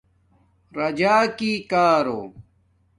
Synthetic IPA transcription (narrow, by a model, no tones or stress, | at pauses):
ɾɐd͡ʑaːkiːkaːɾo̰ː